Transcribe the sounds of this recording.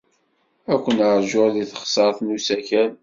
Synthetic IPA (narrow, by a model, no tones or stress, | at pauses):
ækʷːənəɾˤʒʊɾðiθə̥χsˤɑɾˤθnusæçæn